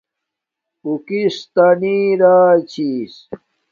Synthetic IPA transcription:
ukist̪aniːɾaːt͡ɕʰis

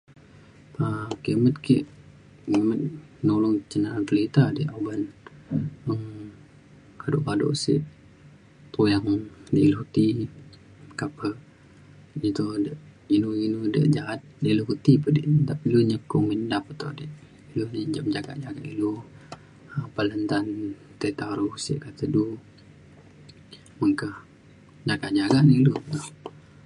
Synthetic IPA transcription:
pakimət̪̚kḭʔ | kimət̪̚ | nolʊŋt͡ʃənaant̪əlit̪adiʔaban | əm | kadʊ̰ʔkado̰ʔsḭʔ | t̪ujaŋdiʔiluhut̪i | kapə | it̪udəʔinuinudə̰ʔd͡ʒaat̪̚diluɦut̪ipədḭʔdapiluɲəkuŋmindapət̪oʔdiʔ | ilud͡ʒad͡ʒaɡa̰ʔd͡ʒaɡa̰ʔilu | əpələnt̪an | t̪ət̪aɾuhsḭʔkat̪ədu | məŋkəh | d͡ʒaɡaʔd͡ʒaɡaʔnilut̪oh

